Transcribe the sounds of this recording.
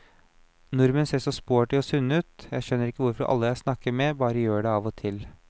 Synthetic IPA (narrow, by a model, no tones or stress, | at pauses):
nʊɾmənseːʂɔspoːʈɪɔsʉnːəʉːt̪jæɪʃœnːəɾɪkːəʋʊɾfɔɾʔɑ̰lːəjæɪsnɑkːəɾmɛbɑːɾəjøːɖɛɑːʋɔt̪ʰɪl